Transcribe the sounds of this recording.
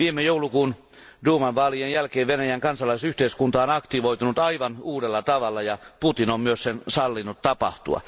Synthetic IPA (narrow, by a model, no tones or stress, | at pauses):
ʋiːmejoulukuːn | duːmɑnʋɑːlienjælkeːʋʋenæjæŋkɑnsɑlɑisyht̪eiskunt̪ɑonɑkt̪iʋoit̪unut̪ɑiʋɑnuːdelːɑt̪ɑʋɑlːɑjɑput̪inommyøssensɑlːinːut̪t̪ɑpɑ̰ht̪ṵɑ̰